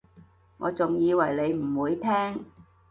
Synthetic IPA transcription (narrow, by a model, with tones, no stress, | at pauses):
ŋɔː˨˧t͡sʊ˨ŋjiː˨˧wɐ˨˩jle˨˧jm̩˨˩wuː˨˧˥jt̪ʰɛː˥ŋ